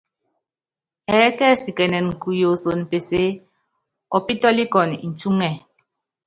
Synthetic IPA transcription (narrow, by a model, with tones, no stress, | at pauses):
ɛː˨˦kɛ˦˨si˨kɛ˨nɛ˨n̩˨ku˨jo˨so˨n˨pe˨se˦ | ɔ˨pi˦tɔ˦li˦kɔ˨ni˨n̩˨tu˦ŋɛ˨